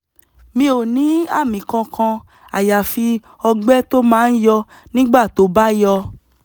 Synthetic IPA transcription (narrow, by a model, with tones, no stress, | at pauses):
mĩ˧˦o˨nĩ˨˦a̰˦˨mĩ˨kã˧kã˧ | a˨ja˨fi˧ | ɔ˧ɡ͡bɛ˦to˦mãː˦˧n̩˦jɔ˧ | nĩ˦ɡ͡ba˦˨to˨˦ba˦jɔ˧